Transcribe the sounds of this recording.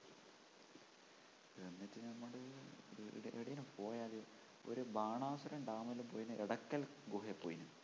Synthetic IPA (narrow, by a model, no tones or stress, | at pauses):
enːɐtːɨnɐmːɐɽɨ | ʔeɽɐjinɨpoːjaːli | o̰ɾubaːɳaːsuɾɐɳɖaːmɐlːumpoːjinɨʔeɽɐkːɐlɡuɦepːoːjinɨ